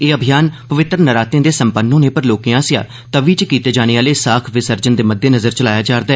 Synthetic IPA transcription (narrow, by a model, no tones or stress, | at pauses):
eːəbʱɪjaːnpəʋɪt̪ɾənəɾaːt̪ẽːd̪eːsəmpənːõːnẽːpəɾloːkijãːsɪja̰ː | t̪əʋiːt͡ʃkiːt̪eːd͡ʒaːɽ̃eːaːleːsaːkʰʋɪsəɾd͡ʒənd̪eːməd̪ːeːnəzəɾt͡ʃəlaːjaːd͡ʒaːɾd̪aː